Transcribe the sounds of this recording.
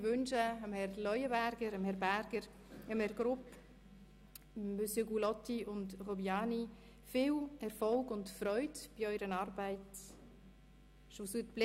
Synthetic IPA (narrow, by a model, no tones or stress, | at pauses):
ʋʉnʃəəmhɛrlɔjəbæɾɡ̥əɾəmhɛɾbæɾɡ̥əɾ | əmhɛɾɡɾʊp | əmbøsjøɡulɔtːiʊntʁɔbiɑːni | fɪːwɛɾfɔlɡʊntfɾœʏdb̥iɔʏɾənɑːɾbaɪt | ʃosytb̥l